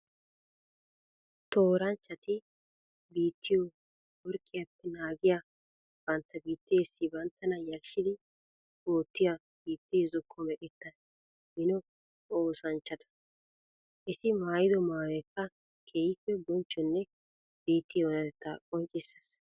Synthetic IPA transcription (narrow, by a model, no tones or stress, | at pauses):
t̪oːɾɐnt͡ʃːɐt̪ɪ | biːt̪ʰːɪjɔ | wɔɾkʼːɪjɐpːɛnaːɡɪja | b̥ɐnt̪ːɐbiːt̪ːeːsːɪbɐnt̪ːɐnɐjɐlʃɪd̪ɪ | oːt̪ːɪja | biːt̪ːezɔkʰːɔmɛkʼɛt̪ːɐn | hɪnɔ | oːsɐnt͡ʃːɐt̪ɐ̥ | ʔɪsɪmaːjɪd̪ɔmaːwɛkːɐ | kʰeːjɪpːɛbɔnt͡ʃːɔnːɛ | b̥iːt̪ːɪjɔwnɐɛt̪ːa̰kʼɔnt͡ʃʼɪsːɐ̥s